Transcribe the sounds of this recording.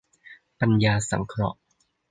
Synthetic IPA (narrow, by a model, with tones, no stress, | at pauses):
pa˧njaː˧sa̰˩˦ŋkʰɾɔ̰˦˥ʔ